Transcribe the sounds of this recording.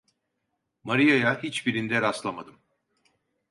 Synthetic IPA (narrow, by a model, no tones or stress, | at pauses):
maɾijajahit͡ʃbiɾind̪ɛɾaslˠamad̪ɯm